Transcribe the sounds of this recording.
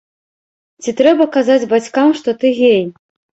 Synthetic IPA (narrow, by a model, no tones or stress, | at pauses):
t͡sʲit̪ɾɛbɐkazad͡zʲbat͡sʲkamʂt̪ɔt̪ɨɣʲej